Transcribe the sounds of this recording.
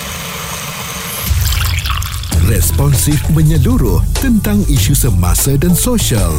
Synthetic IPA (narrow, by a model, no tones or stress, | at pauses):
rɛspɔnsifmə̃ɲəluɾʊht̪ənt̪aŋiʃusəma̰sadansoʃal